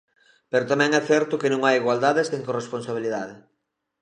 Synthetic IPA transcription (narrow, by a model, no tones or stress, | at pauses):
peɾot̪amɛ̃ŋɛθɛɾt̪ʊkɪnõŋajiɣwald̪aðeseŋkoresponsaβiliðaðɪ